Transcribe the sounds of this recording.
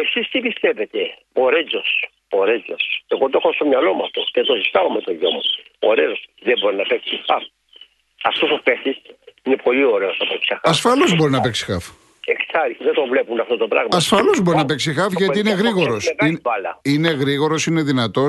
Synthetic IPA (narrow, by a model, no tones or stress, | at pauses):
esist̪ipist̪evet̪e | oɾezo̞s | oɾed͡zo̞se̞ɣot̪oexost̪omɲɐlo̞muɐft̪o̞cet̪osist̪ɐomet̪oʝo̰muoɾeosðebo̞ɾinɐpeksixɐf | ɐst̪usopesisinepo̞lio̞ɾe̞ost̪opeksɐxɐɐsfɐlo̞zbo̞ɾinɐpeksi̥xɐf | eksɐɾðet̪o̞vlepunɐft̪ot̪obɾɐ̰ɣɐsfɐlozbo̞ɾinɐpeksixɐfʝɐt̪iineɣɾiɣoɐ̞ɾo̞sevnvɐlɐine̞ɣɾiɣo̞ɾo̞sine̞ðinɐt̪o̞